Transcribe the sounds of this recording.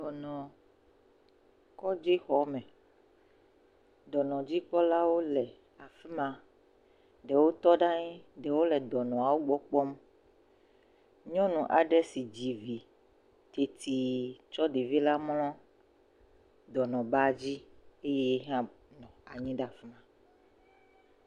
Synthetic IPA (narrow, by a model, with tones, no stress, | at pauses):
d̪ɔ˨nɔ̃˨ | kɔ˦d͡ʒe˦xɔ˨˦mɛ̃˨ | d̪ɔ˨nɔ̃˨d͡ʑi˦k͡pɔ˦la˦wo˦lɛ˨ | a˨fɛ˦mã˨ | ɖɛ˨wo˦t̪ɔ˦ɖa˦ɲĩ˦ɖɛ˨wo˦lɛ˨d̪ɔ˨nɔ̃˨a˨wo˦ɡ͡bɔ˦k͡pɔ˦m | ɲɔ̃˦nũ˨ʔa˨ɖɛ˦si˨d͡ʑi˨vi˨ | t̪e˨t̪ʰi˨t͡ʃɔ˦ɖe˨vi˦la˦mlɔ̃˦ | d̪ɔ˨nɔ̃˨ba˦d͡ʑi˦e˦jɛ˦ɦã˦ | nɔ̃˨a˨ɲĩ˦ɖa˦˨fɛ˦mã˨